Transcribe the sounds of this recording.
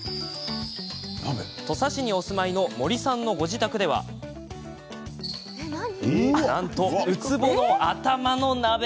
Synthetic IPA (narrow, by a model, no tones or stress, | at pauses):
t̪o̞saɕiɲ̟io̞sɨmaino̞mo̞ɾʲisãnːo̞ɡo̞ʑit̪akɯ̟d̪e̞βa̰ | nãnt̪o̞ɯ̟t͡sɨbo̞noat̪amano̞nabe